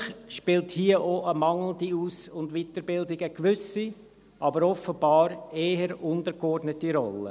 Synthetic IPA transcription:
χʃpɪlthiəʔoʔəmɑŋl̩diuːsʊndʋitəɾbɪldɪɡəkʋʏsi | ʔɑbəɾɔfəb̥ɑːɾeːəɾʊndəɾɡɔrdnətiɾɔ̰lːə̰

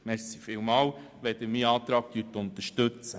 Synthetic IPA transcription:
mɛɾsi̥fɪwmɑːw | ʋɛd̪əmiːɑːt̪ɾɑːk̚kyːt̪ʊnt̪əɾʃtøt͡sə

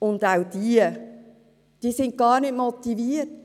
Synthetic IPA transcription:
ʊndawd̥iə | d̥iːsɪnt̚ɡ̥ɑːɾnɪt̚mɔt̪ːiviːət

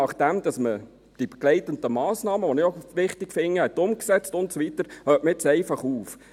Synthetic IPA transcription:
ɑχd̥ɛmd̥̪ɑsmə | d̥ib̥ɛɡ̥lɛɪt̪əndəmɑːsnɑːməʋɔnɪχoʋɪχtɪkfɪŋːəhɛt̪ʊmksɛt͡stʊntsoʋit̪əɾhøːtməɪt͡sɛɪfɑχuːf

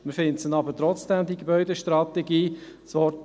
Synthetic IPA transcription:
mɪɾfɪntsənɑbəɾtɾɔt͡sd̥ɛmd̪iɡebœʏdeəʃtɾɑt̪ɛɡiːsvɔɾ

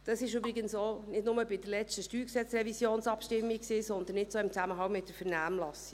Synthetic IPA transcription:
d̥ɑsɪʃybɾiɡənsonɪdnʊməbɪd̥əlɛt͡stəʃtyːksɛt͡srɛvisjoːnsɑpʃtɪmːiksiːsɔnd̪ən̩ɪtsoːɪmt͡sæməɦɑŋmɪtdəɾfɛɾnæːmlɑsi

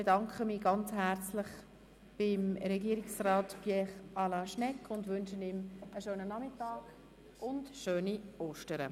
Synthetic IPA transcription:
bedɑŋkʰχəmiːɡɑnt͡shæɾt͡slɪχ | b̥ɪmɾɛɡiːɾɪksraːtfjɛχʔɑlɑʃnɛkʰːʊndʋʏnʃənɪməʃøːnənɑmɪtɑːɡ̥ | ʔʊndʃøːnioːʃtəɾə̰

